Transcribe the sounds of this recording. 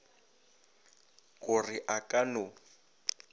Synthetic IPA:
kʼʊrɪʔakʼanʊ

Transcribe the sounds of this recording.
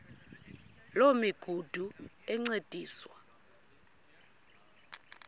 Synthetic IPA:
lomiɡ̥ʱud̥ʱu | ɛŋ͡ǀed̥ʱiːswa

